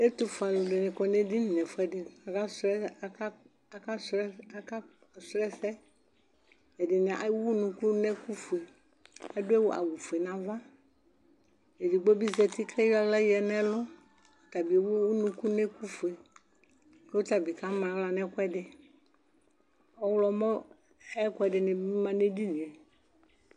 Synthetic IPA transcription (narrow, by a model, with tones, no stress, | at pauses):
e˦t̪u˨fo˨a˨lo˨le˨nɪ̃˨kɔ˨nɛ̃˦di˦nĩ˨nɛ̃˨fɛ˦dɪ˨a˨ka˦sɛ˦ | a˨ka˦s | sɾɛ˦sɛ˦ | e˨dɪ˨nɛ̃˨ʔa˨˦wu˦nũ˨ku˦nɛ̃˦ku˦fu˨e˨ | a˦do˦e˦wo˦ʔa̰˨wu˨fu˨e˨nã˨va˦ | e˨di˨ɡ͡bo˦bi˦zɛ˨t̪i˦kʰɛ˦ja˦lɛ˦jɛ˨nɛ̃˦lɔ˦ | t̪a˨bi˨e˨wu˦wu˦nũ˨ku˦nɛ̃˦ku˦fu˨e˨ | ke˦wo˦t̪a˨bi˨ka˦mã˨wla˨nɛ̃˦kɛ˦dɪ˨ | ɔ˦wlɔ˨mɔ̃˦ | ɛ˦kʊ˦ɛ˨dɪ˨nɪ̃˨bi˦mã˨ne˦di˦nĩ˨ɛ˨